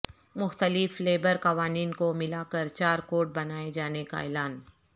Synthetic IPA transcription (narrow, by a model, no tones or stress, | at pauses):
mʊxt̪əlɪfleːbəɾkɐʋaːniːnkomɪlakɐɾt͡ʃaːɾkoːʈ̚bɐnaːed͡ʒaːneka̰ɛ̰ːlaːn